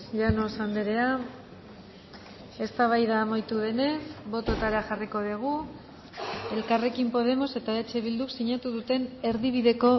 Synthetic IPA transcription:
ʎanosand̪eɾe̞a | e̞st̪aβ̞ajðaːmajt̪uðe̞ne̞sbo̞t̪ot̪aɾaxariko̞ðiɣ̞u | e̞lkare̞kimpo̞ðe̞mo̞se̞t̪aet͡ʃe̞βild̪uksiɲat̪uðut̪e̞ne̞ɾðiβ̞iðe̞ko̞

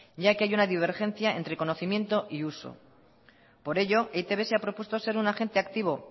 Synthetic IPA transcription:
ɟ͡ʝakeajunaðiβ̞e̞ɾxẽ̞n̟θjaḛnt̪ɾe̞ko̞no̞θimje̞nt̪o̞ʔiuso̞̰ | po̞ɾe̞ʎo̞eit̪e̞βe̞seapɾo̞pwe̞st̪o̞se̞ɾunaxe̞nt̪e̞akt̪iβ̞o̞

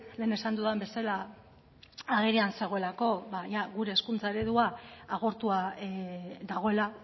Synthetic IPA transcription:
le̞ːne̞sand̪uðembe̞sala | aɣ̞eɾeanse̞ɣo̞e̞lako̞βajaɣuɾe̞ːskunt͡sae̞ɾe̞ðuaːɣ̞o̞ɾt̪ua | ðaɣ̞o̞e̞la

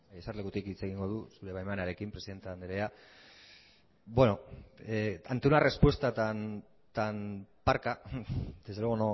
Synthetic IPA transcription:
ajesarleɣut̪ikit͡se̞ɣiŋɡo̞ð̞usuɾe̞βajmanaɾe̞kimpɾesiðe̞nt̪eand̪eɾea | bwe̞no̞ | ant̪onare̞spwe̞st̪at̪an | t̪anpaɾkad̪ezðeeono

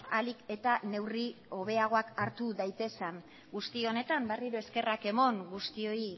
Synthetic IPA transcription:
alike̞t̪ane̞wrio̞β̞e̞aɣ̞o̞akaɾt̪uðajt̪e̞san | ɡust̪io̞ne̞t̪amberiɾue̞ske̞rake̞mo̞ŋɡust̪io̞i

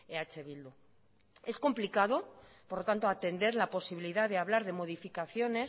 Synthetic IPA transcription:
eat͡ʃe̞βild̪u | e̞sko̞mplikaðo̞poɾlo̞t̪ant̪oat̪e̞nd̪e̞ɾlapo̞siβiliðaðeaβlaɾð̞e̞mo̞ð̞ifikaθjo̞ne̞s

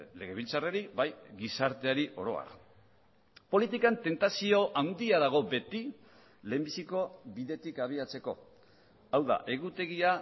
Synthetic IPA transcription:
le̞ɣ̞e̞β̞ilt͡sareɾiβajɣisaɾt̪e̞aɾiʔo̞ɾo̞̰a̰ɾ | po̞lit̪ikant̪e̞nt̪asio̞ʔawnd̪iaðaɣ̞o̞be̞t̪i | leːmbisiko̞βiðe̞t̪ikaβ̞iat͡se̞ko̞ | awða̰ʔe̞ɣ̞ut̪e̞ɣia

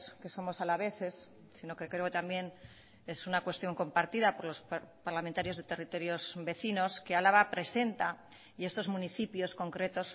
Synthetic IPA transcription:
ske̞so̞mo̞salaβe̞se̞s | sino̞kekɾeot̪ambje̞n | e̞sunakwe̞st̪jo̞ŋko̞mpaɾt̪iðapo̞ɾlo̞spaɾlament̪aɾjo̞zðe̞t̪e̞rit̪o̞ɾjo̞zbe̞θino̞ske̞alaβapɾe̞se̞nt̪a | ie̞st̪o̞zmũniθipjo̞sko̞ŋkɾe̞t̪o̞s

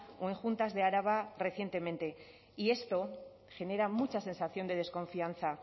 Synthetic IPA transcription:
oe̞ŋxunt̪azðe̞aɾaβare̞θjent̪e̞ment̪e̞ | ie̞st̪o̞ | xe̞ne̞ɾamut͡ʃasẽ̞nsaθjond̪e̞ð̞e̞sko̞ɱfian̟θa

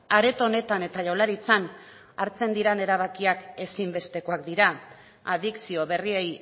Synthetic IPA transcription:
aɾe̞t̪o̞ne̞t̪ane̞t̪aʝawlaɾit͡san | aɾt͡se̞nd̪iɾane̞ɾaβ̞akiake̞simbe̞st̪e̞ko̞akd̪iɾa | aðiksio̞βe̞riej

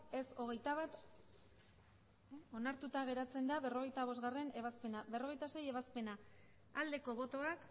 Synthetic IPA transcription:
e̞so̞ɣ̞ejt̪aβat̪ | o̞naɾt̪ut̪aɣ̞e̞ɾat͡se̞nd̪aβe̞ro̞ɣ̞e̞jt̪aβ̞o̞zɣare̞ne̞βaspe̞naβe̞ro̞ɣe̞jt̪ase̞je̞βaspe̞na | ald̪e̞ko̞βo̞t̪o̞ak

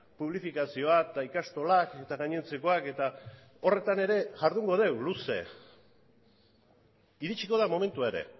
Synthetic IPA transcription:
puβ̞lifikasio̞at̪aikast̪o̞lake̞t̪aɣaɲent͡se̞ko̞ake̞t̪a | o̞re̞t̪ane̞ɾe̞ʝaɾðuŋɡo̞ð̞e̞wluse̞̰ | iɾit͡ʃiko̞ð̞amo̞me̞nt̪uaeɾe̞̰

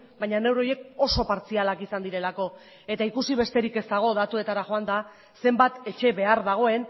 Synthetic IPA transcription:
bajɲane̞wɾo̞je̞ko̞so̞paɾt͡sialakisand̪iɾe̞lako̞ | e̞t̪aikusiβe̞st̪e̞ɾike̞st̪aɣ̞o̞ðat̪ue̞t̪aɾaxo̞and̪a | se̞mbat̪e̞t͡ʃe̞βe̞aɾðaɣ̞o̞e̞n

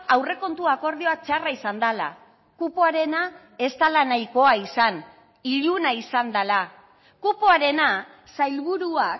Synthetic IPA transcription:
awre̞ko̞nt̪uako̞ɾð̞io̞at͡ʃaraisand̪ala̰ | kupoaɾe̞na | e̞st̪alanajko̞aisan | iʎunaisand̪ala | kupoaɾe̞na | sajlβuɾuak

